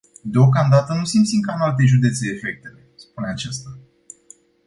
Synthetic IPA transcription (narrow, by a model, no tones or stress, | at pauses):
d̪eo̞kamd̪at̪ənusimt̪siŋkanalt̪̬e̞ʒud̪e̞t̪seːfe̞k̚t̪e̞le̞spuneat͡ʃast̪a